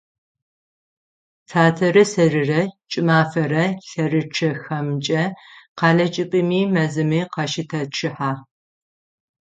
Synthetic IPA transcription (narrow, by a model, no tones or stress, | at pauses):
tʰaːtʰɐɾɨsɐrɨrɐt͡ʃʼɪmaːfɐɾɐɬɐrɨʈ͡ʂʰɐxɐmt͡ʃʼɐqɑːɮɐt͡ʃʼɪpʼɨmiːmɐzɨmiːqɑʃɪtʰɐʈ͡ʂʰɨħaː